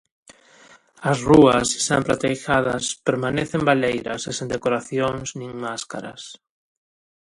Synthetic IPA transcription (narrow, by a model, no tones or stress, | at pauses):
ɐsruɐse̥sa̰mpɾat̪ejʃaðɐspeɾmaneθembalejɾɐ̰sesẽnd̪ekoɾaθjoŋsnĩŋmaska̰ɾɐ̰s